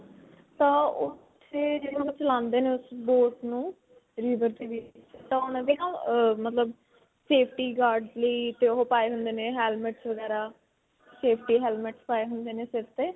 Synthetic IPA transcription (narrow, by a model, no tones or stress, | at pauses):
t̪ãːʊt̪ʰːeːd͡ʒəd̪õːkːt͡ʃəlãːnd̪eːnẽːʊsboːʈnũː | ɾiːʋəɾt̪eːʋit̪ãːonãːd̪eːnãːmət̪ləb | seːpʰʈiːɡaːɾɖləiːt̪eːoɦopaːeːɦʊnd̪eːnẽːɦɛːlməʈsʋəɡɛːɾaː | seːpʰʈiːɦɛːlməʈspaːeːɦʊnd̪eːneːsɪɾt̪eː